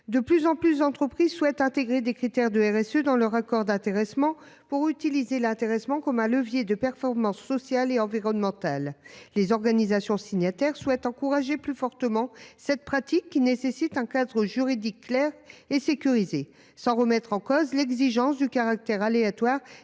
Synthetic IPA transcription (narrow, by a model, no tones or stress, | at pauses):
d̪əplyzɑ̃plysd̪ɑ̃t̪χəpχizswɛt̪ɛ̃t̪eɡʁed̪ekχit̪ɛʁd̪əɛʁɛsød̪ɑ̃lœʁakɔʁd̪ɛ̃t̪eʁɛsmɑ̃ | puʁyt̪ilizelɛ̃t̪eʁɛsmɑ̃kɔmɛ̃ləvjed̪əpɛʁfɔʁmɑ̃sːɔsjaleɑ̃viʁɔnmɑ̃t̪alːezɔʁɡanizasjɔ̃siɲat̪ɛʁswɛt̪ɑ̃kuʁaʒeplyfɔʁt̪əmɑ̃sɛt̪̚pχat̪ikːinesesit̪ɛ̃kad̪ʁəʒyʁid̪ikːlɛʁesekʲyʁize | sɑ̃ʁəmɛt̪χɑ̃kozlɛɡziʒɑ̃sd̪ykaʁak̚t̪ɛʁaleat̪waʁ